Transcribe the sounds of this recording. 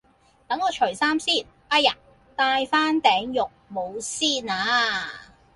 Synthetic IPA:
t̪ɐ˨˥ŋɔː˨˧t͡ʃʰɵ˨˩saː˥msiː˥˩n | pa˥jɐ˨˩n | t̪aː˧jfaː˥nt̪ɛː˨˥ŋjʊ˨k̚mo˨˧wsiː˥˩naː˨˧

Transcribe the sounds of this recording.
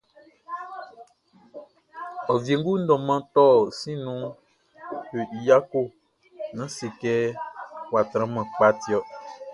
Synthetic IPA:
ɔ˨vi˨e˨ŋ˦ɡu˦n̩˦dɔ̃˨mã˦t̪ɔ˦˨sĩ˦nũ˦ | jo˨i˨ja˦ko˦˨ | nã˨˦si˨kɛ˦wa˨t̪ɾã˦mɛ̃˨k͡pa˦ti˨ɔ˦

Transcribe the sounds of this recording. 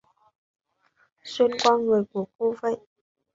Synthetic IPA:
swi˧ənkwɔ˧nŋɨ˨˩əjku˧˩ək̚o˧və̰˧˨ʔ

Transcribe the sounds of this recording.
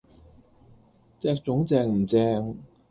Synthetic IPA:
t͡sɛː˧k̚t͡sʊ˨˥ŋt͡sɛː˧ŋm̩˨˩t͡sɛː˧ŋ

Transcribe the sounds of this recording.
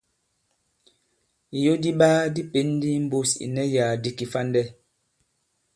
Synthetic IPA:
i˨jo˦di˦ɓaː˦di˦pe˨˦n˦di˦m̩˦bo˦sḭ˨nɛ˦ja˨di˦ki˨fa˦ndɛ˦

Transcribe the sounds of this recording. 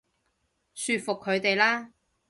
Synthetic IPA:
syː˧t̚fʊ˨kʰːɵ˨˧ɥt̪e˨jlaː˥

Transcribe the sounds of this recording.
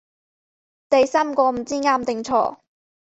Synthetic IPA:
t̪e˨˧jsaː˥mkʷɔː˧m̩˨˩t͡siː˥ŋaː˥mt̪ɪ˨ŋt͡sʰɔ̰ː˧˥

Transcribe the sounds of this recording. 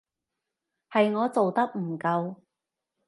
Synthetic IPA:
hɐ˨jŋɔː˨˧t͡so˨wt̪ɐ˥k̚m̩˨˩kɐ˧w

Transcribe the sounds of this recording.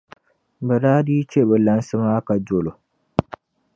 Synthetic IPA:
bɛ˨daː˦diː˦t͡ʃe˦˨bɛ˨la˦n˦sɨ˦maː˦ka˨d͡ʒo˨lo˨

